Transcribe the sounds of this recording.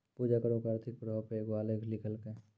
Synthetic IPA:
puːd͡ʒakəɾõkaːɾt̪ʰik̚pɾɦpeeɡoaːlekʰlɪkʰəlke

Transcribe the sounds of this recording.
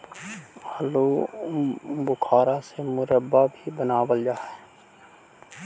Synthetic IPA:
loː | bʊkʰaːɾasemʊɾəbːabʱibənaːwəld͡ʒaː

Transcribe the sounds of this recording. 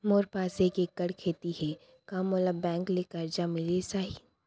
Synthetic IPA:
moːɾpaːsekekɐɽkʰeːt̪iɦɛ | kamoːləbbɛ̃ːŋklekəɾd͡ʒamɪlesaːɦi

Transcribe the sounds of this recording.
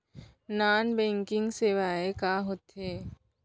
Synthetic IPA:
naːnbɛ̃ːŋkɪ̃ŋɡseːʋaːekaɦot̪ɦeː

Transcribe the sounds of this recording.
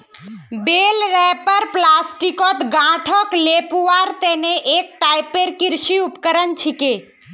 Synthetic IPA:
belɾɛpəɾplasʈikɔt̪ɡãʈʰɔklepuʋaɾt̪eneʔek̚ʈajpeɾkiɾʃiupkəɾənt͡ʃʰike

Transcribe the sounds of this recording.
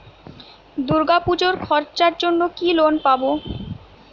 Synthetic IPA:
d̪uɾɡapud͡ʑoɾkʰɔɾt͡ɕaɾd͡ʑonːokilonpabo

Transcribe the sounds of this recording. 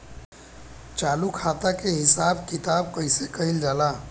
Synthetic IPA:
t͡ʃalukʰat̪akeɦisabkit̪abkəɪsekəɦild͡ʒala

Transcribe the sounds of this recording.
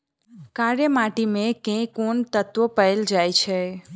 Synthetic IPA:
kaɾjəmaʈimẽkẽkuɳt̪ət̪ʋopəeld͡ʒajt͡ʃʰe

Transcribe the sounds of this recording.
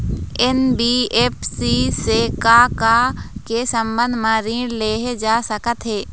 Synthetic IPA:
enbiːeːpsisekakakesə̃mbə̃nd̪ʱmãɾĩːɽleːɦed͡ʒaːsəkət̪ɦeː

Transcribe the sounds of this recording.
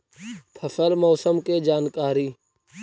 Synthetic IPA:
t̪ʰəfəlmɔːsəmked͡ʒaːnkaːɾiː

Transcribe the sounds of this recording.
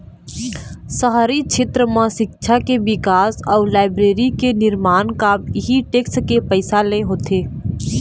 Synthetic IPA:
səɦaːɾit͡ʃʰɪt̪ɾəmãʃɪkʃʰakeʋɪkaːsɔːɾlaːɪbɾeːɾikenɪɾmaːnkaːmɪɦiʈeːkskepəɪsalẽɦoːt̪ʰeː

